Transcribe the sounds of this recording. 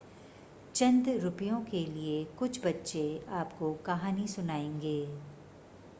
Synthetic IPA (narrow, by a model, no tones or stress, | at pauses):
t͡ʃɐ̃nd̪ɾʊpijõkeliekʊt͡ʃʰbɐtːʃeaːpkokɐɦaːnisʊnaːẽːŋɡeː